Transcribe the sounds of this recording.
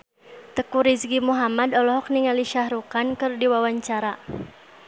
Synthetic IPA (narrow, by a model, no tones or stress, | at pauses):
t̪əkuɾisɡimuɦamadɔlɔɦɔk̚niŋaliʃahɾukankɨrdiwawaɲt͡ʃaɾa